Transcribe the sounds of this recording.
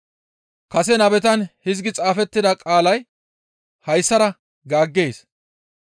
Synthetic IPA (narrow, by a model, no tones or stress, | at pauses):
kɐsɛnɐbɛt̪ɐnhɪzɡɪt͡sʼaːfɛt̪ːɪd̪ɐkʼaːlɐj | hɐjsːɐɾɐ | ɡaːɡːeːs